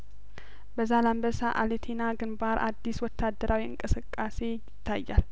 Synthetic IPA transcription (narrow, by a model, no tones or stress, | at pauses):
bəzalambəsaʔalet̪ʰinaɡɨnbaɾʔad̪ːiswɔt̪ʰːad̪ːəɾawiɨ̰ŋkʼɨsɨkʼːase̞jɪɪt̪ʰːajːa̰l